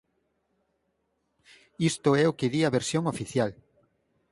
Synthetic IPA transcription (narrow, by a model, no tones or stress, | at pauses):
ist̪ʊɛʊkɪðiɐβeɾsjoŋofiθjal